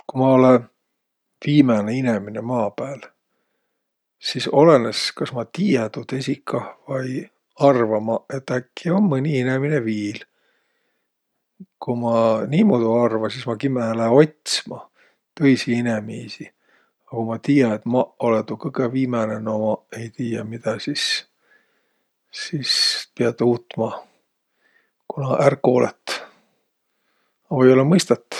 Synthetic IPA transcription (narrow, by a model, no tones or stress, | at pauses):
kumɑo̞len | viːmɑneinemine̞mɑːpæːl | siso̞le̞neskɑsmɑt̪iːjet̪ud̪̥e̞sʲikʰːɑvɑj | ɑrvɑmɑet̪ːækːio̞mːɤnʲiinemineviːl | kumɑniːmod̪uɑrvɑsismɑkimelæo̞t̪ʲsmɑ | t̪ɤjsiinemisi | ɑkumɑt̪iːjɑet̪mɑolet̪ukɤɡ̥eviːmɑnenomɑe̞jt̪iːjɑmid̪̥ɑsis | sispiɑd̪uːt̪ːmɑ | kunɑʔæro̞ːlḛt̪ːˑ | vojo̞lemɤjst̪ɑt̪ːˑ